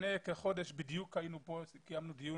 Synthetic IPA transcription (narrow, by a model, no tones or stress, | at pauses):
nekeχod̪eʃbid̪jukhainuposikijamnud̪iju